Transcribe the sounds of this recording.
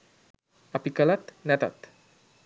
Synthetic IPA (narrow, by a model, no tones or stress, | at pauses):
apikəlat̪nɛt̪a̰t̪